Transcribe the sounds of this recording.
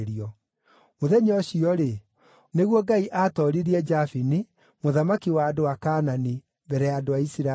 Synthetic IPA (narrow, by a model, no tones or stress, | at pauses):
ɾiɔ | moðɛɲɔɕiɔɾe | neɣwɔɡaiʔaːtɔɾiɾiɛd͡ʒafini | moðamakiwaːdowakaːnani | bɛɾɛadoaisiɾa